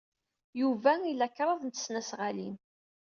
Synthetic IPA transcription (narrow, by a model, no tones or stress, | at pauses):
juvæilækːɾˤɑðˤnt̪ːə̥snæsʁalin